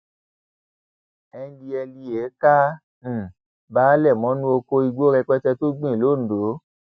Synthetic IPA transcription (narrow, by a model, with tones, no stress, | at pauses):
ɛ˧˦di˧ɛ˧li˧e˨˦kã˦˨ | baː˦lɛ˦˨mɔ̃˨˦nũ˦o˧ko˧i˧ɡ͡bo˦ɾɛ˧k͡pɛ˦tɛ˧to˦ɡ͡bĩ˦˨lõ˦˨do˨˦